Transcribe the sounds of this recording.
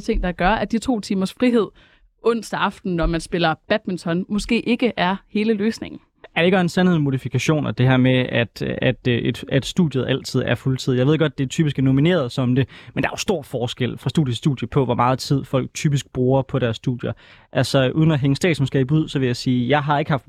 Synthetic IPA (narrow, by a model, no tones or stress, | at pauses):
t͡sʰe̝ŋ̰d̥ɑ̈ɡ̥ɶɐæd̥it͡sʰo̝̰ːt͡sʰiːmɐsfʁiɦe̝ð̞̰ˠ | ʔɔ̽n̰sd̥ɑ̈fd̥n̩ːɒmænsb̥e̝lɐb̥æd̥mint͡sʰɒ̽nmɔ̽sɡ̥e̝̰ːʔe̝ɡ̥əʔæɐhe̝ːləløːsne̝ŋn̩ | æɐd̥eeɡæensænheðˠmo̝ðifikʰæɕo̝̰ːnɒd̥e̝ɦæɐ̰meæd̥æd̥e̥æd̥sd̥uðˠjəð̩ˠæl̰t͡sʰið̞̰ˠæɐfult͡sʰið̰ˠjɑe̝ðˠeɡ̥ɒd̥̚d̥e̝t͡sʰyːb̥isɡ̥æɐno̝mine̝̰ːɐð̞ˠsɒ̽md̥e̝mend̥ɑ̈ɐjo̝sd̥o̝ɐ̰fɒːsɡ̥el̰fʁɑ̈sd̥ṵd̥ˠjəsːd̥ṵːðˠjəpʰɒ̽ʋɒmʔɑ̈ːð̞̩ˠt͡sʰið̞̰ˠfɒ̽l̰ɡ̥̚t͡sʰyːb̥isɡ̥̚b̥ʁuːɐpʰɒ̽ɾæɐsːd̥uð̥̰ˠjɐ | ʔælsɒ̽ʔuːð̞ˠnæɦeŋəsd̥ɛ̰ːd̥smɔsɡ̥e̝ibuð̰ˠsɒ̽ʋe̝jɑ̈ɪsiːjɑ̈ɪɦɑ̈e̝ɡ̥əhɑ̈fd̥